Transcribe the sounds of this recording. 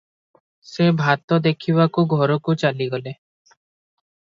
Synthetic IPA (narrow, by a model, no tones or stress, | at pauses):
sebʱat̪ɔd̪ekʰibakuɡʱɔɾɔkut͡ʃaliɡɔle